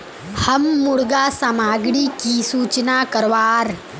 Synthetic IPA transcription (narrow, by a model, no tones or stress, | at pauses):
hɐmːuɽɡaːsamaːɡɽiːkisuːt͡ʃnaːkɐɾʋaːɾ